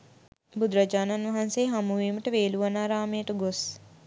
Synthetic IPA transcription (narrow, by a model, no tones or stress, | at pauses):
bud̪ɾɐd͡ʒaːnanʋɐɦanseːɦamuʋiːməʈəʋeːluʋɐnaːɾaːmejəʈəɡos